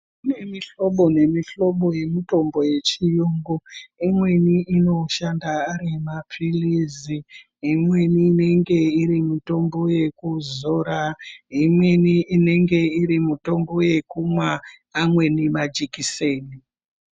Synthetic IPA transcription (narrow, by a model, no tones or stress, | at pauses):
ne̞miɬoɓo̞ne̞miɬo̞ɓo̞je̞mito̞mbo̞je̞t͡ʃijoːŋɡoimwe̞niino̞ʃandaːrimapʰilizi | imwe̞nine̞ŋɡe̞irimuto̞mbo̞je̞kuzoɾaɦimwe̞niʔːne̞ŋɡe̞iɾimuto̞mbo̞je̞kumwaː | mwe̞nimad͡ʒikiseːni